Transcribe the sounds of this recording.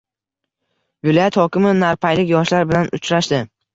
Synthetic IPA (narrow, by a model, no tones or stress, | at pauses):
vɪlˠɒjat̪hɒkʲɪmɪnaɾpʰajlɪkʲjɒʃlaɾbɪlanʊt͡ʃʰɾaʃd̪ɪ